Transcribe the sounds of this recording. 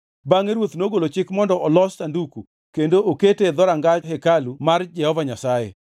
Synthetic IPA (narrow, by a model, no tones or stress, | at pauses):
baŋeɾwot̪noɡolot͡ʃɪkmɔndɔɔlɔstanduku | kendooketed̪ɔɾaŋɡaɦekalumard͡ʒɛhɔvaɲasajḛ